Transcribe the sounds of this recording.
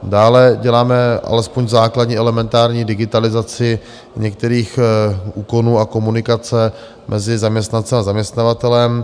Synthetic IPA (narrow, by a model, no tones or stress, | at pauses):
daːlɛɟɛlaːmɛʔa̰lɛspoɲzaːkladɲiːʔɛlɛmɛnt̪aːɾɲiːdɪɡɪt̪alɪzat͡sɪ | ɲɛk̚t̪ɛɾiːxʔuːko̞nuːako̞munɪkat͡sɛ | mʔɛzɪzamɲɛst̪nant͡sɛmazamɲɛst̪navat̪ɛlɛm